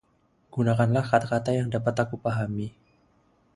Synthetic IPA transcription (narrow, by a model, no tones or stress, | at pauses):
ɡ̥unakanlahkat̪akat̪ajaŋdapat̪akupaɦami